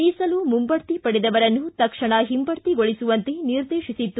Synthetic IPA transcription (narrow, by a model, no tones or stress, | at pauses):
iːsɐlumumbɐɽt̪ipɐɽɛd̪ɐʋɐɾɐnːut̪ɐkʂɐɳɐɦimbɐɽt̪iɡoɭisuʋɐnt̪eniɾd̪eːʃisit̪ːu